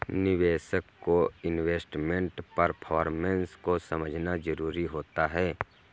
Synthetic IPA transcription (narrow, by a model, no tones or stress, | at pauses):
nɪʋeːʃəkːoɪnweːsʈmẽɳʈpəɾpʰɔːɾmə̃nskosɐməd͡ʒʱnad͡ʒəɾuːɾiɦoːt̪aɦɛː